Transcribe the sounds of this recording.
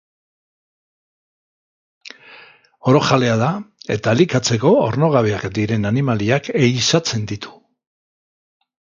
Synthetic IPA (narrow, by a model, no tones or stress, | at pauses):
o̞ɾo̞xale̞aðae̞̰t̪alikat͡se̞ko̞oɾno̞ɣ̞aβ̞eakd̪iɾe̞nanimaliake̞jsat͡se̞nd̪it̪ʰu̥